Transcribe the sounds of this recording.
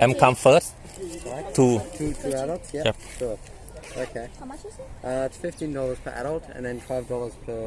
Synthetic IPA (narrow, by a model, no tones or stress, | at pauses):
ʔɛ̃mkʰãmfəst | ɹaɪtʰutʰutʰuaɾəlˠtsjɛjɛp̚ʃɔ | o̰ʊkʰeɪ | ʔʌɪtsfɪftĩndɔlˠəz̥pʰə̰ʔa̰ɾəlˠtə̰̃nðə̃nfaɪvdɔlˠəz̥pʰə